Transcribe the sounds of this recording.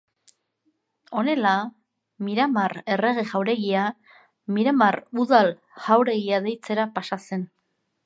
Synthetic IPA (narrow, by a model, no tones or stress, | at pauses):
o̞ne̞la | miɾamare̞re̞ɣ̞e̞ʝawɾe̞ɣia | miɾamaruðal | ʝawɾe̞ɣiaðe̞jt͡se̞ɾapasase̞n